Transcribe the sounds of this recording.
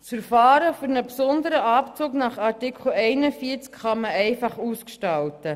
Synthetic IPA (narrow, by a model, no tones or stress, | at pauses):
fəɾfɑːɾəfyɾnəpsɔnd̪əɾəʔɑpt͡suːknɑχɑrtikχl̩ɛɪnəfiːəɾt͡skχɑməɛɪfɑχuːskʃtɑltə